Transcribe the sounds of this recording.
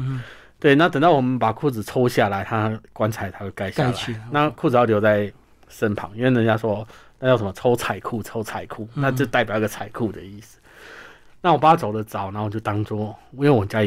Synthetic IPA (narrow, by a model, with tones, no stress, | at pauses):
t̪we˥˩ɪna˥˩t̪ə˨˩ŋt̪ɑ˥˩ʊwɔ˨˩mə˨˦npa˨˩kʰu˥˩t͡sɹ̩˨˩t͡sʰo˥ʊɕja˥˨˩la˧˦ɪt̪ʰa˥kwa˦nt͡sʰa˨˩ɪt̪ʰa˥we˥˩ka˥˧ɪɕjlna˥˧kʰu˥˩t͡sɹ̩˨˩jɑ˥˩ljʊt͡sa˥˩ɪ | ʂə˦˥npʰɑ̰˨˧˦ŋi˥nwe˥˩nə˧˦nt͡ɕja˥ʂwɔ˥t̪a˥nt͡ɕjsʂə˨˦mə˦t͡sʰo˥ʊt͡sʰa˨˩ɪkʰu˥˩t͡sʰo˥ʊt͡sʰa˨˩ɪkʰu˥˩na˥˧t͡ɕjo˥˧t̪a˥˩ɪpji˥ɡə˨t͡sʰa˨˩ɪkʰu˥˩d̪ə̰˩i˥˩s̩˨˩ | na˥˩wɔ˨˩pa˨˩˧t͡so˨ʊd̪ə˦t͡sɑ˨˩˦ʊna˨˦o˨˩t͡ɕjo˥˩t̪ɑ˥ŋt͡swɔ˥wɔ˨˦jw̩˨˩˨t͡ɕja˥